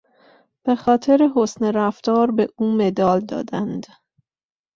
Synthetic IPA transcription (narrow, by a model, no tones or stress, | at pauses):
b̥e̞xɒːt̪ʰe̞ɾeɦosneɾæft̪ɒːɾbeʔuːme̞d̪ɒːld̪ɒ̰ːd̪ænd̪̥